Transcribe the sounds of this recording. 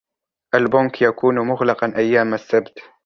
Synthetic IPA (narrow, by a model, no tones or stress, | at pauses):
ʔalbʊnkjakuːnmʊɣlɑqɑnʔajːaːmasːabt̪